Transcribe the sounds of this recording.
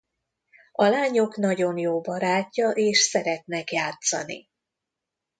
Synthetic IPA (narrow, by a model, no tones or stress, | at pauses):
ɒlaːɲo̞knɒɟo̞njoːbɒɾaːcːɒʔeːʃsɛɾɛt̪nɛkjaːt̪sɒ̰nḭ